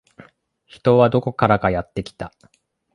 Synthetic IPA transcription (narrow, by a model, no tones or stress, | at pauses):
çi̥t̪o̞βad̪o̞ko̞kaɾakajat̪ːe̞kʲi̥t̪a